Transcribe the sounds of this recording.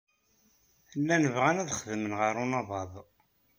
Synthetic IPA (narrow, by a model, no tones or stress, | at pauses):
lːænəvʁænæðχəðəmənʁəɾˤunɑðˤɑðˤ